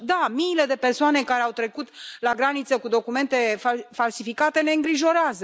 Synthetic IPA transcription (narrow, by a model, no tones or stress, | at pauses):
d̪amiːle̞d̪e̞persoane̞kaɾe̞awt̪ɾe̞kut̪laɡɾanit̪səkud̪o̞kume̞nt̪e̞fafalsifikat̪e̞ne̞ɨŋɡɾiʒo̞ɾeazə